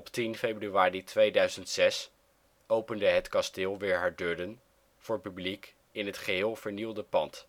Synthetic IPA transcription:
ɔptinfejbryʋaːritʰʋejdœɥzəntsɛs | owpəndəɦətkɑstɪːlˠʋɪːɹɦaːɹdødən | v̥ʊːɹpyblik | ɪnɦətχəɦɪːlˠv̥əɹnilˠdəpɑnt

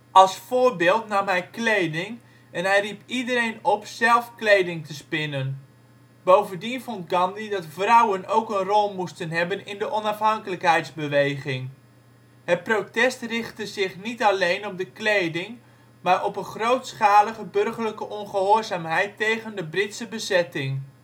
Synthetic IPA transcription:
ʔɑlˠsfʊːrbɪːlˠtnɑmɦɛjklejdɪŋ | ɛnɦɛjripidəɾejnɔpsɛlˠfklejdɪŋtəspɪnən | b̥owvəndinfɔntɡɑndidɑtfrʌwənowkənrɔlˠmustənɦɛbənɪndəʔɔnɑfɦɑŋkələkɦɛjtzbəʋejɣɪŋ | hət̚protɛstrɪχtəzɪχnitalejnɔp̚dəklejdɪŋ | maːɹʔɔpənχrowtsχaːləɣəbɵrχərləkəʔɔnχəɦoːrzaːmɦɛjtːejɣəndəbrɪtsəbəzɛtɪŋ

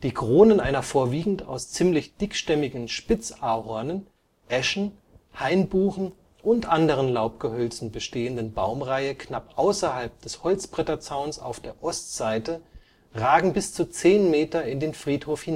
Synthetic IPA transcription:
d̥iːkʁ̥oːnənʔaɪnɐfoːɐviːɡŋ̩ta̰ʊst͡siːmlɪçd̥ɪkʃtɛmɪɡŋ̩ʃpɪt͡saːɐhɔɐnən | ʔɛʃn̩ | haɪnbuːxn̩ | ʔʊntʔandəʁ̞ənlaʊp̚ɡ̥əhœlt͡sn̩bəʃteːəndən̩baʊmʁaɪəkʰnapʔaʊsɐhalp̚d̥ɛshɔlt͡sb̥ʁ̥ɛtɐt͡saʊnsa̰ʊfd̥eːɐʔɔstz̥aɪtə | ʁaːɡŋ̩bɪst͡sut͡seːnmeːtɐɪndeːnfʁ̥iːthoːfhina

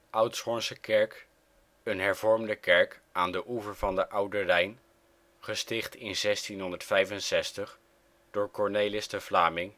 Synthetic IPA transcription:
ʔʌwtsχɔnsəkɛɹk | ənɦɛɹvɔɹmdəkɛɹkʔaːndəʔuvəɹvɑndəʔʌwdərɛjn | χəstɪχtɪnzɛstinɦɔndəɹtfɛjvənsɛstəχ | d̥ʊːɹkɔɹnejlɪstəvlaːmɪŋ

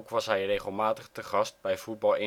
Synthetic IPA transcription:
kʋɑsɦɛjrejχəlˠmaːtəχtəχɑst̚bɛjfut̚bɑlˠɪ

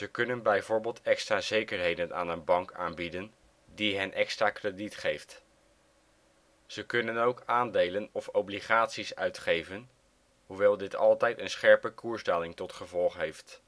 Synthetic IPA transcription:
zəkɵnənbɛjvʊːɹbeːlˠtɛkstraːzejkəɹɦejdəna̰ːnənbɑŋkaːnbidən | diɦɛnʔɛkstraːkreditχejft | z̥əkɵnənowkaːndejlənɔfɔwbliχaːtsisœ̰ɥtχejvən | ɦuʋɛlˠdɪtɑlˠtɛjtənsχɛɹpəkuːɹstɛlɪŋtɔtχəvɔlˠχɦejft

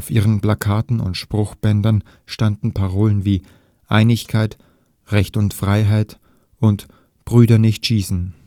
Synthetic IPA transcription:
aʊfʔiːʁ̞ənplakʰaːtn̩ʊ̰ntʃpʁ̥ʊxb̥ɛndɐn | ʃtandn̩pʰaʁoːlənviː | ʔa̰ɪnɪçkʰaɪt | ʁɛçtʊntfʁ̥aɪɦaɪt | ʊnt | b̥ʁyːdɐnɪçtʃiːsn̩

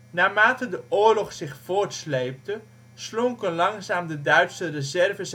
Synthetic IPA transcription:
naːmaːtədəʔʊːɹlɔχsɪχfoːɹtslejp̚tə | sloŋkənlɑŋsaːmdədœɥtsərezɛrvəs

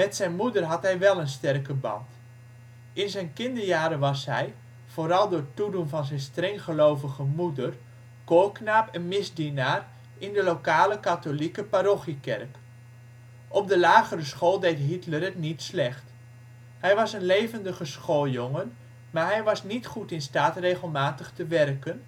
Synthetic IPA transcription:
mɛtsɛjnmudərɦɑtɦɛjʋɛlˠənstɛrkəbɑ̰nt | ɪnzɛjnkɪndəɹjaːɾəʋɑsɦɛj | v̥oːɾɑlˠdʊːɹtudunvɑnzɛjnstrɛŋχəlowvəɣəmudər | koːknaːpɛnmɪzdinaːr | ʔɪndəlowkaːləkatolikəpaɾoχikɛrk | ʔɔp̚dəlaːɣərəsχoːlˠdejtɦitlərətnitslɛχt | hɛjʋɑsənlejvəndəχəsχoːlˠjoŋən | maːɹɦɛjʋɑsnitχutɪnstaːtrejχəlˠmaːtəχtəʋɛrkən

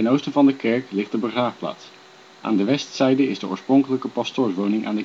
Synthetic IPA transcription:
ɛnowstənvɑndəkɛɹklɪχt̚dəbəχraːfpla̰ːts | ʔa̰ːndəʋɛstsɛjdəɪzdəɔ̰ɹsproŋkələkəpɑstoːɹʋownɪŋʔa̰ːndə

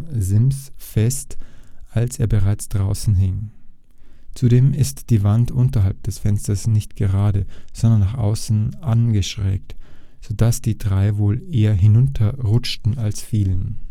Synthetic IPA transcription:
zɪmsfɛstʔalseːɐbəʁaɪt͡sd̥ʁaʊsn̩ɦɪŋ | t͡sudeːmɪstd̥iːvantʔʊntɐɦalp̚d̥ɛsfɛnstɐsnɪçtɡ̥əʁ̞aːdəz̥ɔndɐnːaːχʔa̰ʊsn̩ʔanɡəʃʁ̥ɛ̰ːk̚t | z̥oːdasd̥iːdʁaɪvoːlʔeːɐɦɪnʊntʰɐʁʊt͡ʃtn̩alsfiːlən

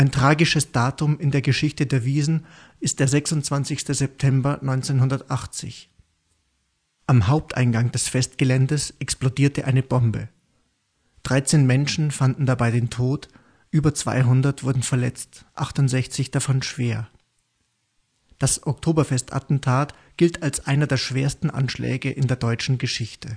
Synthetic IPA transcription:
ʔaɪntʁ̥aːɡɪʃəsd̥aːtʊmɪndeːɐɡəʃɪçtədeːɐviːzn̩ | ɪst̚d̥eːɐzɛksʊntt͡sv̥ant͡sɪçstəzɛp̚tʰɛmbɐnɔʏnt͡seːnɦʊndɐtʔaχt͡sɪ̰ç | ʔamɦaʊp̚tʔa̰ɪnɡaŋd̥ɛsfɛstɡ̥əlɛndəsʔɛksplodiːɐtəʔaɪnəbɔmbə | d̥ʁaɪt͡seːnmɛnʃn̩fandn̩dabaɪdeːntʰoːt | ʔyːbɐt͡sv̥a̰ɪɦʊndɐtv̥ʊɐdn̩fɛɐlɛ̰t͡stʔaχtʊntz̥ɛçt͡sɪçd̥afɔnʃv̥eːɐ | d̥asʔɔk̚tʰoːbɐfɛstʔa̰tn̩tʰaːt | ɡ̥ɪltʰalsʔaɪnɐdeːɐʃv̥eːɐstn̩ʔa̰nʃlɛ̰ːɡəʔɪndeːɐdɔʏt͡ʃn̩ɡəʃɪçtʰə

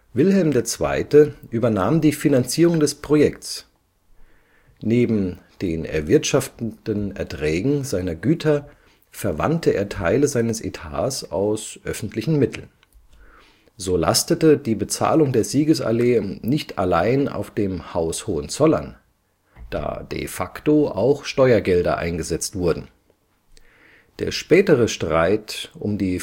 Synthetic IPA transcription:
vɪlɦɛlmdeːɐt͡sv̥a̰ɪtəʔyːbɐnaːmdiːfinant͡siːʁʊŋdɛspʁ̥ojɛkts | neːbm̩d̥eːnɛ̰ɐvɪɐtʃaftdənɛ̰ɐtʁ̥ɛːɡŋ̩zaɪnɐɡyːtʰɐ | fɛɐva̰ntʰəʔḛːɐtʰaɪləzaɪnəsḛtʰa̰ːsaʊsʔœfn̩tʰlɪçn̩mɪtʰl̩n | zoːla̰stətədiːbət͡sa̰ːlʊŋdeːɐziːɡəsa̰leːnɪçtʰa̰laɪna̰ʊfd̥eːmhaʊshoːənt͡sɔlɐ̰n | d̥a̰ːdḛfaktoa̰ʊxʃtɔʏɐɡɛldɐ̰ʔa̰ɪnɡəzɛt͡stv̥ʊɐdn̩ | d̥ḛːɐʃpɛːtəʁ̞əʃtʁ̥aɪtʔʊ̰mdiː

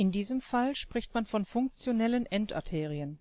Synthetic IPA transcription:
ɪndiːzəmfalʃpʁ̥ɪçtmanfɔnfʊŋk̚t͡sjonɛlənʔɛntʔa̰ɐtʰeːʁ̞iən

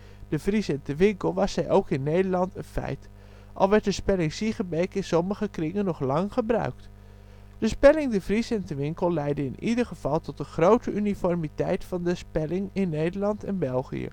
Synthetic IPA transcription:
d̥əvrisɛntəʋɪŋkəlˠʋɑsɛjʔowkɪnːejdəɹlɑntənfɛ̰jt | ʔɑ̰lˠʋɛɹt̚dəspɛlɪŋsiχəbejkɪnsɔməχəkrɪŋənːɔχlɑŋχəbrœ̰ɥkt | d̥əspɛlɪŋdəvrisɛntəʋɪŋkəlˠlɛjdəɪnidərχəv̥ɑlˠtɔtəχrowtəʔynifɔrmitɛjtfɑndəspɛlɪŋɪnːejdəɹlɑntʰɛnbɛlˠχḭjə̰

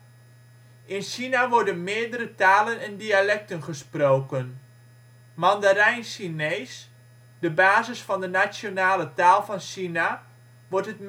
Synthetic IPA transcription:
ʔɪnʃinaʋɔɹdənmɪːəɹdəɾətaːlənɛndialɛk̚tənχəsprowkən | mɑndəɾɛjnsineːs | dəbaːzɪsfɑndənat͡sjonaːlətaːlˠfɑnʃina | ʋɔɹtɦətm

